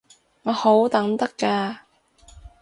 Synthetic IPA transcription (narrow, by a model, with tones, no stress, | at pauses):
ŋɔː˨˧ho˨˥wt̪ɐ˨˥ŋt̪ɐ˥kːaː˧